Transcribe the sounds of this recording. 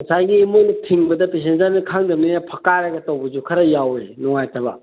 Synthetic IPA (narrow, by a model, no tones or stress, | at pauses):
mɐsajɡiːmojnɐtʰiŋbɐdɐpes̬enzaɾnikʰaŋdɐmninapʰɐkaɾaɡɐtɐwbɐzukʰɐɾɐjawenɔŋajtʰɐbɐ̰